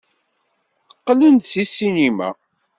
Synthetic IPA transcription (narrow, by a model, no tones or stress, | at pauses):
əqːlənt̪sisinimæ̰